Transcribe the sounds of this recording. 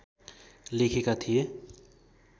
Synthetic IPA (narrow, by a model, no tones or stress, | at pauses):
lekʰikat̪ʰije